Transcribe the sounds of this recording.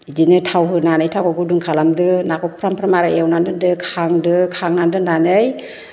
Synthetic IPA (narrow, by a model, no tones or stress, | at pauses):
zinɯtʰawɦɯnanɯjtʰawaɡudɯŋkʰalamdɯnakɔpʰɾampʰɾamaɾaewnandɯndɯkʰaŋdɯkʰaŋnandɯnanɯj